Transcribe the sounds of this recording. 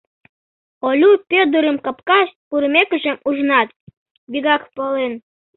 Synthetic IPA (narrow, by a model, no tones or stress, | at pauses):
olʲupʲød̪uɾə̆mkɑpkɑʃt̪̚kuɾəmʲekə̆ʒemuʒnɑt̪̚ | biɣɑkpəlen